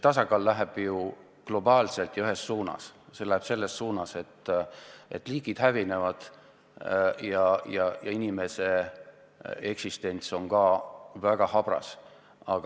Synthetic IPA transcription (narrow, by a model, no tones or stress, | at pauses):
t̪ɑsɑkɑːlːæɦeb̥ju | klo̞bɑːlse̞lt̪jɑyɦe̞sːuːnɑ̰sse̞læheb̥se̞lːe̞sːuːnɑse̞t̪ː | e̞t̪ːˑliːɡ̥id̪̥hævine̞vɑd̪̥ | jɑjɑjɑ̰inʲime̞se̞ | e̞ksist̪e̞nʲt̪so̞ŋkɑːvæɡ̥ɑhɑb̥ɾɑ̰s | ɑɡ̥ɑ